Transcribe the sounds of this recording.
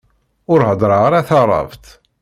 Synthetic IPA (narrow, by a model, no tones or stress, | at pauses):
ʊɾhəd̪ˤɾˤɑʁaɾaθɑɾˤɑ̰vt̪